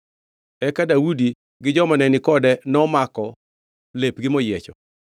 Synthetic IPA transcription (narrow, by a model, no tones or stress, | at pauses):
ɛkadawudi | ɡɪd͡ʒɔmɔnɛnɪkɔdɛnɔmakɔ | lepɡɪmɔjet͡ʃɔ̰